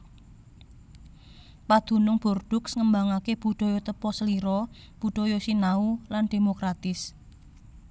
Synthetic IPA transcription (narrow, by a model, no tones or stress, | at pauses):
pad̪̥ṳnʊŋb̥o̤rɖ̥ʊ̤ksŋəmbaŋakeb̥ṳɖ̥ɔ̤jot̪əpɔsəliɾɔ | b̥uɖ̥ɔ̤josinaulanɖ̥e̤mokɾat̪ɪs